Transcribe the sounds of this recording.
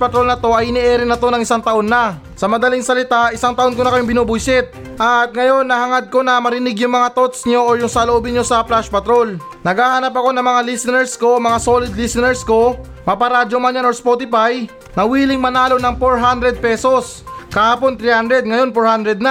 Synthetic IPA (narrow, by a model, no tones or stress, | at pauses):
pɐt̪ɾo̞lnɐt̪o̞ʔɐjʔɪnɪʔɛːɾɪnɐt̪o̞nɐŋɪsaŋt̪ɐʔo̞nːɐ | sɐmɐd̪ɐlɪŋsɐlɪt̪aʔɪsaŋt̪ɐʔo̞nkonɐkɐjoŋbɪnoːbʊjsɪt̪̚ | ʔɐt̪̚ŋɐjo̞nːɐhɐŋad̪̚ko̞nɐmɐɾɪnɪɡjʊŋmɐŋat̪ot̪sɲo̞ʔojʊŋsɐloʔobɪnɲo̞sɐplaʃpɐt̪ɾo̞l | nɐɡaːhanɐp̬ɐko̞nɐŋmɐŋalisɪnɛɹsko̞mɐŋasolɪd̪lɪsɪnɛɹsko̞ | mɐpɐɾad͡ʒomaɲanoɹspot̪ɪpaj | nɐwiːlɪŋmɐnaːlo̞nɐŋpoɹɦand̪ɾɛd̪̚pɛːso̞s | kɐhaːpo̞nt̪ɾihand̪ɾɛd̪̚ŋɐjo̞npoɹhand̪ɾɛd̪̚nɐ